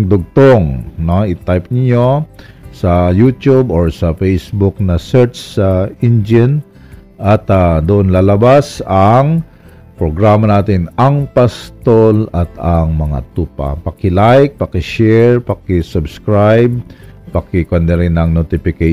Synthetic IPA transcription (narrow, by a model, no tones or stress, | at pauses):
d̪ʊɡ̚t̪oŋnoɪt̪ajp̚nɪɲo | sɐjuːt̪juboɹsɐfɛjsbʊk̚nɐsɛɹt͡ʃɪnd͡ʒɪn | ʔɐt̪ad̪ʊʔonlaːlɐbasɐŋ | pɾoɡɹaːmɐnaːt̪ɪnɐŋpɐst̪olɐt̪ɐŋmɐŋa̰t̪uːpa̰pɐkɪlajk̚pɐkɪʃɛɹpɐkɪsʊbskɹajb̚pɐkɪkond̪ɛɾɪnɐŋnot̪ɪfɪkɛ